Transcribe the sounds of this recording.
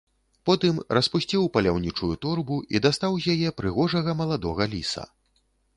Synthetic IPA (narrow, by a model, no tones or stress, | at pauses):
pɔt̪ɨmrɐspusʲt͡sʲiwpɐlʲawnʲit͡ʂujut̪urbuid̪ast̪awzʲjajɛpɾɨɣɔʐɐɣɐmɐlˠad̪ɔɣɐlʲisɐ̰